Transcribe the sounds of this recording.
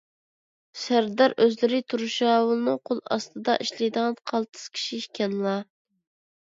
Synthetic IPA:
sæɾd̪ɑɾøzlɪɾɪt̪ʰuɾuʃɑːwlˠnɨqʰolˠɑ̰st̪ɨd̪ɑ̰ʔiʃlijd̪ɨʁɑnqʰɑlˠt̪ʰɨ̥z̥kʲʰi̥ʃikʲɛnlˠɑ

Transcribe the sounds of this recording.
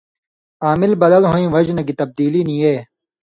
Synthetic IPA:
aːmɪlbɐd̪ɐlɦoːĩːʋɐd͡ʑnɐɡit̪ɐb̚d̪iːlinĩeː

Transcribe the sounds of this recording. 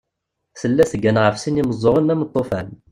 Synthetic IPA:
səlːæθəɡːænʁəfsiniməzˤːoʁənːæmət̪ˤːofæn

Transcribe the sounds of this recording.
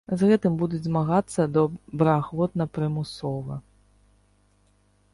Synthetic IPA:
zɣɛt̪ɨmbud̪ud͡zʲzmaɣat̪sːɐd̪ɔbɾɐaxvɔt̪nɐpɾɨmusɔvɐ

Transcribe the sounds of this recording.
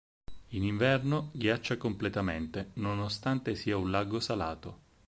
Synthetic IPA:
iniɱvɛrnoɡjat͡ʃːakomplet̪ament̪enonost̪ant̪esiːaunlaɡosala̰ːt̪o

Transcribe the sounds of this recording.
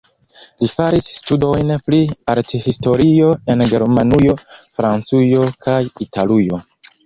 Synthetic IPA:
lifaɾisːtudo̞jnpɾiaɾtihisto̞ɾio̞e̞nɡe̞ɾmanujofɾant͡sujo̞kʰajitʰalujo̞

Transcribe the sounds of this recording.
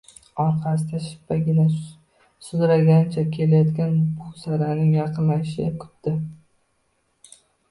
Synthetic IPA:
ɒɾqʰɑsɪd̪aʃɪ̥pːaɡʲɪna | sʊd̪ɾaɡʲant͡ʃʰakʲʰe̞lajɒt̪kʲanbʊsaɾanɪŋjɑqʰɨnlajɪʃɪkʰʊ̥t̪ːɪ

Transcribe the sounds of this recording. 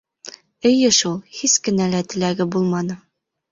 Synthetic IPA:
ɘ̆jɘʃulˠhiskɘ̆nælæt̪ɘ̆læɡɘbulˠmɑnɤ

